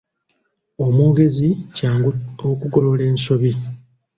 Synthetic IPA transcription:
omuːɡe̞zicaːŋɡuokuɡolo̞le̞ːnso̞βi

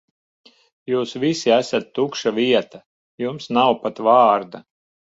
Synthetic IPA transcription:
juːsvisiæsat̪ːukʃavʲiɛt̪a | jumsnawpat̪vɑːɾd̪a

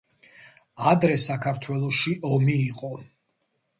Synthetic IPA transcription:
ad̪ɾɛsakʰaɾt̪ʰwɛlˠɔʃiʔɔmiːqʼɔ

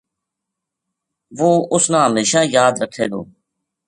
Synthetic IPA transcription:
ʋoːʊsnãːɦəmeːʃãːjaːd̪ɾəkʰːeːd̪o̰ː

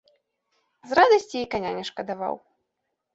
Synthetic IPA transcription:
zrad̪ɐsʲt͡sʲiikanʲanʲɛʂkɐd̪ava̰w

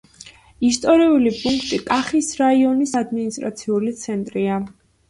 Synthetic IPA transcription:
ist̪ʼɔɾiulipʼuŋkʰt̪ʼikʼaχisɾaiɔnisad̪minist̪ʼɾa̰t̪sʰiulit̪sʰɛnt̪ʼɾia

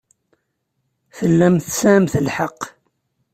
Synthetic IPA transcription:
θəlːæmθsæmθəlħɑqː

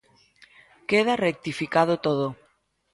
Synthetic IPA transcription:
keðarek̚t̪ifikaðot̪oð̞o

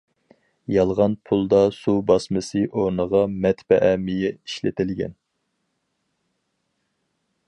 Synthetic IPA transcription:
jɑlˠʁɑnpʰulˠd̪ɑsubɑsmɨsɨʔoɾnəʁɑmɛt̪bɛʔɛmijɛiʃlɪt̪ʰɪlɡʲɛ̰n

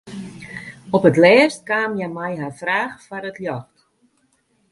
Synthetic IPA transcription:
ɔpətlɛːrst̚kaːmjɛmɛjɦarfraːxfaɾətljɔxt

